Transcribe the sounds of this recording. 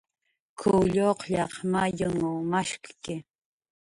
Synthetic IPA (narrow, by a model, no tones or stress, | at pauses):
kʰʊʎoqʎɑχmajʊŋʊmaʃkkɪ